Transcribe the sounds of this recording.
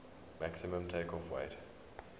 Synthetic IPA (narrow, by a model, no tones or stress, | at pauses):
maksimə̃mtʰeɪkɔfwḛɪt